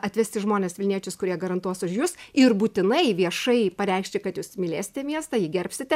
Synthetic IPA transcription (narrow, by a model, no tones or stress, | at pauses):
ɐt̪ʲʋʲæsʲt̪ʲɪʒmoːnʲeːsʋʲɪlʲnʲiɛt͡ʃʲʊskʊɾʲiɛɡɐɾɐnt̪uɔsʊʃjuːsɪrbuːt̪ʲɪnɐɪʋʲiɛʃɐɪpɐɾʲɛɪkʃʲt͡ʃʲɪkɐt̪juːsmʲɪlʲeːsʲɪ̥t̪ʲɛmʲiɛst̪ɐjiːɡʲɛɾʲpʲsʲɪt̪ʲɛ